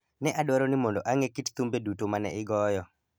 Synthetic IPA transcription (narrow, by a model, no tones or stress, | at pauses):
nɛʔadwaɾonɪmɔndoʔaŋekitt̪umbedutomanɛ̰ɪɡɔjɔ